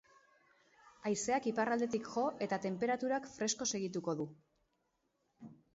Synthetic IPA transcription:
ajse̞akiparald̪e̞t̪̬ikʝo̞ʔe̞t̪at̪e̞mpe̞ɾat̪uɾakfɾe̞sko̞se̞ɣ̞it̪uko̞ðu

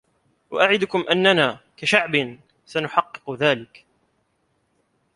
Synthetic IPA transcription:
wa̰ʔaʕɪd̪ʊkʊmʔanːanaːkaʃaʕbɪn | sanʊħɑqːɨ̥qðaːlɪk

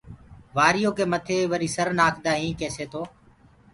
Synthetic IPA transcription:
ʋaːɾɪjoːkeːmət̪ʰeːʋəɾiːsəɾnaːkʰd̪aːĩːkeːseːt̪ʰoː

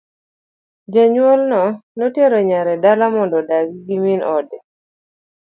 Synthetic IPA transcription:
d͡ʒaɲwolnɔnɔtjeɾɔɲaɾɛdalamɔndɔdaɡiɡiminɔdɛ

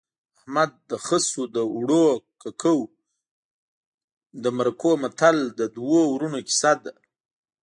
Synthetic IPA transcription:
ahmad̪̚ːəxəsud̪əwɽokakʰəw | d̪əmaɾakomat̪ald̪əd̪wowɾunoki̥sad̪a

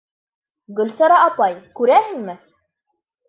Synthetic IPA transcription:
ɡɵ̆lsɑɾɑɑpɑjkʉɾæhɘ̆ŋmɘ

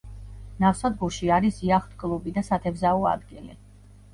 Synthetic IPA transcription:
nafsad̪ɡuɾʃiaɾisiaχt̪ʰkʼlˠubid̪asat̪ʰɛvzaɔa̰d̪ɡilḭ

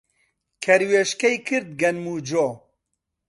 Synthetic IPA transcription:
kʰɛɾweːʃkɛjkʰɨɾd̪̚ɡɛnmuːd͡ʒoː

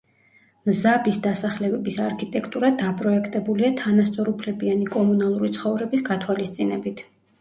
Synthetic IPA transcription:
mzabisd̪asaχlɛbɛbisaɾkʰit̪ʼɛkʰt̪ʼuɾad̪apʼɾɔɛkʰt̪ʼɛbuliat̪ʰanast̪sʼɔɾupʰlɛbianikʼɔmunalˠuɾit̪sʰχɔvɾɛbisɡat̪ʰwalist̪sʼinɛbit̪ʰ

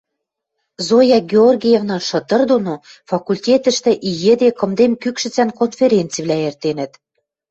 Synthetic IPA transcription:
zojɑɡʲeorɡʲijevnɑnʃɤ̆t̪ɤ̆rd̪onofɑkulʲtʲet̪ə̆ʃt̪ĕʔijɘ̆d̪ekɤ̆md̪emkykʃɘ̆t͡sænkonfʲeɾʲent͡siβlæert̪enə̆t̪

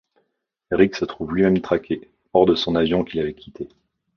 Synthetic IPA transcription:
eʁiksət̪χuvlɥimɛmt̪χakʲʰe | ɔʁd̪əsɔ̃navjɔ̃kʲilavɛkʲi̥t̪ʰe

